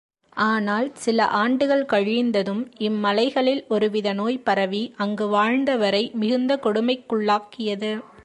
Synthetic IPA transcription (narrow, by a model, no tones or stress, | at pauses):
ʔaːnaːlsɪlɐ̰ʔaːɳɖɯɣɐɭkɐɻiːnd̪ɐðɯmɪmːɐlɐɪɣɐɭɪlɔɾɯʋɪðɐnoːjpɐɾɐʋiʔɐŋɡɯʋaːɻnd̪ɐʋɐɾɐɪmɪɣɯnd̪ɐkɔɽɯmɐɪkːʊɭːaːkːɪjɐðɯ